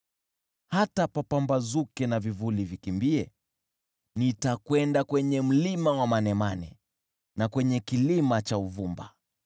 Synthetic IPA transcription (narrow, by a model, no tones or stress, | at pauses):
hatapapambazukɛnavivulivikimbiɛ | nitakwɛndakwɛɲɛm̩limawamanɛmanɛ̰ | nakwɛɲɛkilimat͡ʃauvumba̰